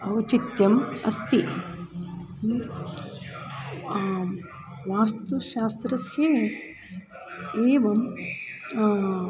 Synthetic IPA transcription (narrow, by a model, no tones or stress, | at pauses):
ɐʋɐt͡ʃit̪jɐmɐst̪i | ʋaːst̪uʃaːst̪ɾɐsje | eːʋɐm